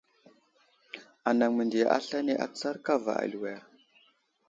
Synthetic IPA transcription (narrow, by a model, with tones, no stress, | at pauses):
a˨na˨ŋmə˨ndi˨ja̰˨ʔa̰˦ɬa˦ne˦ʔa̰˨˦t͡sa˦ɾka˦va̰˨a̰˨lu˨we˨a˨